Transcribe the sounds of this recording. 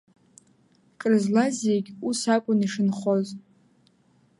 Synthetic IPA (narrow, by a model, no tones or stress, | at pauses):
kʼrɨzlazeɡʲusakʷʼʊniʂɨnχoz